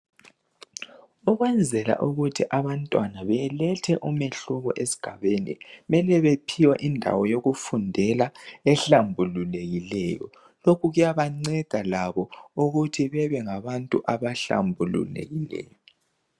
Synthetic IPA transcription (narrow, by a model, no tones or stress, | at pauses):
uɣwɛnd͡zʱɛla̰ʔuɣutʰiʔaβantʼwanaβɛlɛtʰɛʔumeɬuɣɔ̰ʔesi̥ɡ̥ʱaβenḭmɛlɛβepʰiwɛʔindʱa̰wɔjoɣufundʱɛlaɛɬambʱululeɣilɛjɔ̰ | lokʰuɣujaβaŋ͡ǀɛɡ̥ʱalaβɔuɣutʰiβɛβɛŋaβantʼṵʔaβaɬa̰mbʱulṵlḛɣilɛ̰ːjɔ